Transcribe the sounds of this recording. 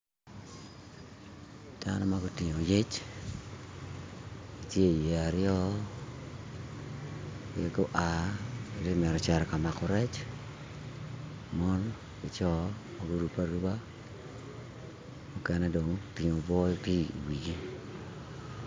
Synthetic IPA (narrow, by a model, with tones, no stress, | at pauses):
d̥a̰˦nɔ˦ma˦ɡo˦ti˨ɲo˨je˦t͡ʃ | ɡi˨tje˦˨je˨a˨ɾjɔ˦˨ | ɡo˦ʔa˨e˨de˦mɛ˨ɾɔ˨t͡ʃɛ˨ɾɛ˨ka˨ma˨kɔ˨ɾɛ˦t͡ʃ | mɔ˦n | i˨t͡ʃɔ˦ | mo˨ɡu˦ɾu˦pa˦ɾu˦ba˦ | mu˦kɛ˦nɛ˦do˨ŋti˨ɲo˨bɔ˦ti˦ḭ˨wi˨ɡi˦